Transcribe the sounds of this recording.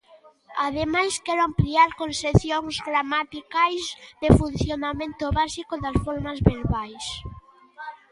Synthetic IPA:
aðemajskɛɾoampliaɾkõnseθjoŋzɣɾamat̪ikajzðefunθjonamẽnt̪ʊβasikoðasfoɾmazβeɾβajs

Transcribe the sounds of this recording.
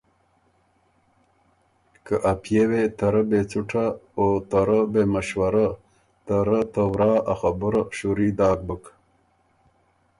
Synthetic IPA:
kəʔapʰjewet̪ɐɾəbet͡suʈʰaoːt̪aɾəbeməɕwaɾa | t̪əɾət̪əwɾɑːaxabəɾaɕuɾid̪ɑːk̚bək

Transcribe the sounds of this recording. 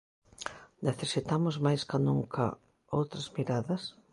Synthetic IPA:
neθeɾsit̪amʊzmajskanuŋkʰɐ̰ | owt̪ɾɐzmiɾaðɐs

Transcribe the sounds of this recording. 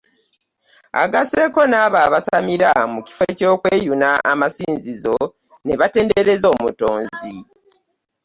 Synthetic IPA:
a̰ɡase̞ko̞naːβaːβasamiɾamuci̥fe̞co̞ːkwe̞ːjunaʔamasiːnzizo̞ | ne̞βate̞ːnde̞ɾe̞zo̞ːmuto̞ːnzi

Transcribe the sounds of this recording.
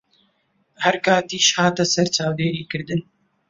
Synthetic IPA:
hɛɾkaːt̪iːʃhaːt̪ɐsɛɾt͡ʃaːwd̪eːɾiːkɨɾd̪ɨn

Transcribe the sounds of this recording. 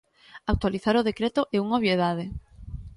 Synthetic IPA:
ak̚t̪waliθaɾʊðekɾet̪oʔeuŋoβjeðað̞e

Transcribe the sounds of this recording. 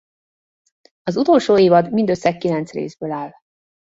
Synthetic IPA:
ɒzut̪oːlʃoːeːvɒd̪mind̪øsːɛkːilɛnt̪srḛːzbøːlaːl

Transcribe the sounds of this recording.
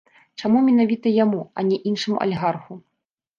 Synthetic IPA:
t͡ʂamumʲɛnavʲit̪ɐjamuɐnʲɛʔinʂɨmṵʔɐ̰lʲɛɣarxu

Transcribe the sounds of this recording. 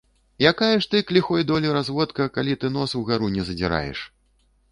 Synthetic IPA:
jakajɛʂt̪ɨklʲixɔjd̪ɔlʲiɾazvɔt̪kɐkalʲit̪ɨnɔsuɣaɾunʲɛzɐd͡zʲiɾa̰jɛ̰ʂ

